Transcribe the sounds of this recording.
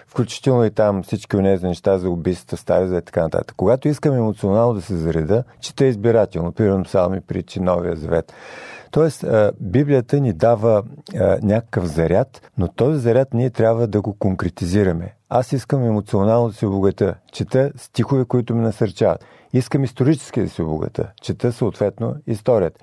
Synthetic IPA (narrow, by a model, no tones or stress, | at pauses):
fklʲut͡ʃi̥t̪ɛlˠnoit̪amfsit͡ʃkʲionɛzʲinɛʃt̪azɐʊbist̪t̪t̪əst̪aɾizvɛit̪ɐ̥kanɐt̪a̰t̪ə̥kːoɡat̪oiskəmɛmot̪sionalˠnod̪ɐsɛzɐɾɛd̪ət͡ʃɛ̥t̪əɛizbiɾat̪ɛlˠnopɾimɛɾnosalˠmipɾit͡ʃinɔvijəzɐvɛt̪t̪ːɔɛst̪əbiblijət̪ənid̪avənʲakəkəfzɐɾʲat̪not̪ɔzizɐɾʲat̪nʲiɛt̪ɾʲabvəd̪ɐɡokoŋkɾɛt̪iziɾɐmɛ̰asiskəmɛmot̪sionalˠnod̪ɐsɛoboɡɐt̪ʲət͡ʃɛt̪əst̪ʲixovɛkoit̪ʊmɛnɐsɐɾt͡ʃavə̰t̪ | iskəmist̪oɾit͡ʃɛ̥sk̟id̪ɐsɛobo̰ɡɐ̰t̪ə̰t͡ʃɛt̪əsoot̪vɛt̪noist̪ɔɾijət̪